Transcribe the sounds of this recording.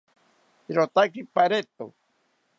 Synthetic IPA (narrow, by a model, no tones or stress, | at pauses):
ɾot̪akipaɾet̪o̰